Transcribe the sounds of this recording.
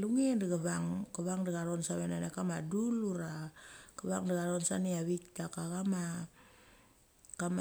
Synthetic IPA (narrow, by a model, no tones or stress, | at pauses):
luŋiandaɡaβaŋkaβaŋdaɡaɾonsaβenanakamaduluɾakaβaŋdaɡaɾonsaniaβik̚takakama | kam